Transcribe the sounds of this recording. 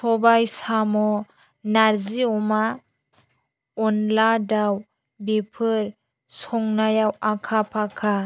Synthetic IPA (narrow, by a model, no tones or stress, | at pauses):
sʰɔbajsamɔ | naɾziɔma | ɔnladaw | bepʰɯɾ | sɔŋnajawakʰapʰakʰa